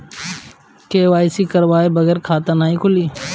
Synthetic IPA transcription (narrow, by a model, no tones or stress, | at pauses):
keːʋaːisiːkəɾʋaːebəɣɛːɾkʰaːt̪ãnaːĩːkʰʊliː